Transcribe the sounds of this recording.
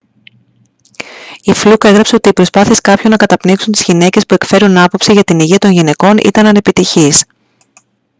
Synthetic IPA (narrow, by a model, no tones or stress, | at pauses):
iflukɐeɣɾɐpse̞o̞t̪iːpɾo̞spɐθie̞skɐpço̞nːɐkɐt̪ɐpniksunt̪izʝine̞ce̞spue̞kfe̞ɾunɐpo̞psiʝɐt̪iniʝiɐt̪o̞nʝine̞ko̞nʔḭt̪ɐnɐne̞pit̪içis